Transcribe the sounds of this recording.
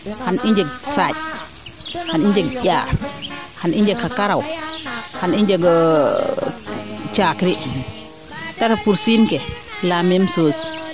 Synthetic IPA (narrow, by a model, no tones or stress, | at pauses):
haniɲd͡ʒɛɡsat͡ʃ | haniɲd͡ʒɛɡɟʲaː | hanʔiɲd͡ʒɛkːakaɾaw | haniɲd͡ʒɛɡ | t͡ʃakɾi | tatapuɾsinkɛlamɛmsoːsi̥